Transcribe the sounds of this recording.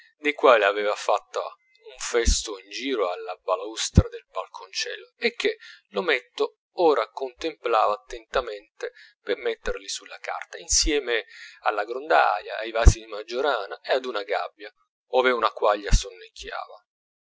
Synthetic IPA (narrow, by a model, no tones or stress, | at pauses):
d̪ejkwaːliavɛːvafat̪ːa̰ | uɱfɛst̪oind͡ʒiːɾoalːabalaust̪ɾad̪elbalkʰont͡ʃɛ̰ːlːoek̟ːelomɛt̪ːo | ɔːɾakont̪emplaːvaːt̪ːent̪ament̪epermet̪ːerlisulːaka̰rt̪ainsjɛːmea̰lːaɡɾond̪a̰ja̰ːjvaːsid̪imad͡ʒːoɾaːnaead̪unaɡa̰bːja | ɔːveunakwaʎːasonːekʰːja̰ːva